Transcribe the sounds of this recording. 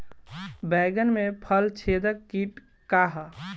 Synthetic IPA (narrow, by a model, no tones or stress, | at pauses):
bɛɡənmepʰəlt͡ʃʰed̪əkːiʈ | kaɦə